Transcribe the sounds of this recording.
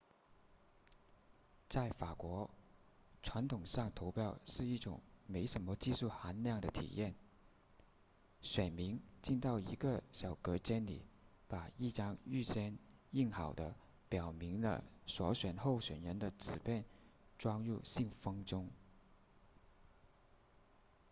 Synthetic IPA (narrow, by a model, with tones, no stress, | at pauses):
t͡sa˥˩ɪfa˨˩kwɔ˧˥ | ʈ͡ʂʰwa˧˥nt̪ʰʊ˨˩ŋʂɑ˥˩ŋt̪ʰo˧˥ʊpʰjɑ˥˧ʊʂɻ̩˥˧i˥˩ʈ͡ʂʊ̰˨˩ŋme˧˥ɪʂə˧˥nmə˧t͡ɕi˥˧ʂu˥˩xa˧˥nljɑ˥˩ŋd̪ə˩t̪ʰḭ˨˩jɛ˥˩n | ɕɥɛ˨˩nmi˧˥ŋt͡ɕi˥˧nt̪ɑ˥˩ʊḭ˧˥ɡə˧ɕjɑ˨˩ʊkɤ˧˥t͡ɕjɛ˥nlḭ˨˩˦ | pa˨˩i˥˩ʈ͡ʂɑ˥ŋy˥˩ɕjɛ˥ni˥˩nxɑ˨˩ʊd̪ə̰˦ | pjɑ˨˩ʊmi˧˥ŋlə̰˧swɔ̰˧˥ɕɥɛ˨˩nxo˥˩ʊɕɥɛ˨˩nɻə˧˥nd̪ə˧t͡sɹ̩˨˩pjɛ˥˩nʈ͡ʂwɑ˥ŋɻu˥˧ɕi˥˩ŋfɤ˥ŋʈ͡ʂʊ˥ŋ